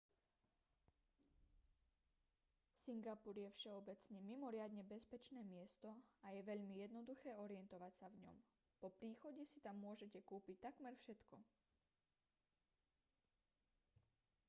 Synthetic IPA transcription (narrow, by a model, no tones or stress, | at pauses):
siŋɡapuɾjɛfʃɛɔbɛt͡sɲɛmimɔɾɪad̪ɲɛbɛspɛt͡ʃnɛːmɪɛst̪ɔajɛʋɛʎmijɛd̪nɔd̪uxɛːɔɾɪɛnt̪ɔʋacsavɲɔ̰m | pɔpɾiːxɔɟɛsit̪amːʊɔʒɛcɛkuːpic̚t̪akmɛɾfʃɛt̪kɔ